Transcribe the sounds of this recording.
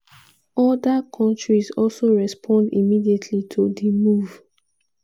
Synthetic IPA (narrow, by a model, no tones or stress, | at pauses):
ɔdakʰɔ̃ntɹizɔlsoɹɛspʰɔ̃ndḭmidietʰlitʰodimuv